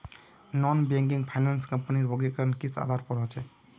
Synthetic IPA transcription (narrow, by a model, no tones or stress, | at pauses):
nɔnbeŋɡiŋpʰajnanskəmpəniɾbɔɡikankisʰa̰d̪ʱaɾpɔɾat͡ʃɛ